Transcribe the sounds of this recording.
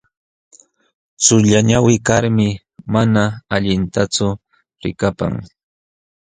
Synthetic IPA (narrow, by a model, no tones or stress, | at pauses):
t͡sʊʎaɲawɪkaɾmɪ | manaaʎɪnt̪at͡sʊ | ɾɪ̰kapa̰ŋ